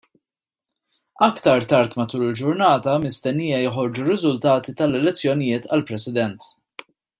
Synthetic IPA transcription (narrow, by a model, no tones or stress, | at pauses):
ɐkt̪ɐɾt̪ɐɾt̪mɐt̪uːlɪld͡ʒʊɾnɐːt̪ɐmɪst̪ɛnːiːjɐjɔħɔɾd͡ʒurːɪzʊlt̪ɐːt̪it̪ɐlɛlɛt͡sːjɔnɪjɪːt̪ɐ̰lpɾɛsɪd̪ɛnt̪